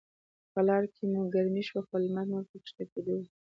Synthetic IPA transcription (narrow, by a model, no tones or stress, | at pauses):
pəlɑɾkʰemuɡaɾniʃwaxolmat̪noɾt̪əpʃt̪aked̪əw